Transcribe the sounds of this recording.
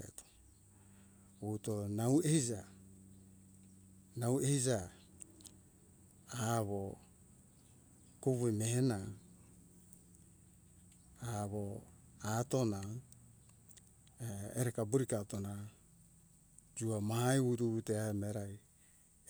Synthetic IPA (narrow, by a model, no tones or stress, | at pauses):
ḛto̥ | βutonawehid͡ʒa | nawehid͡ʒa | βo | koβuemehena | aβoatona | eeɾekabuɾikatona | d͡ʒuamahajuɾuβuteameɾaj